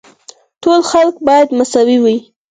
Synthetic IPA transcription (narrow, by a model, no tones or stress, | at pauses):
ʈolxalkbɑjad̪masɑwiwi